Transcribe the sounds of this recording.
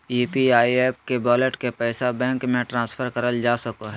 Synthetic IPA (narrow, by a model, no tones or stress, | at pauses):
iːpiaːieːp̚kebɔːleʈkepɛːsabɛ̃ːŋkmẽʈɾãːspʰəɾkəɾəld͡ʒaːsɐkoɦɛ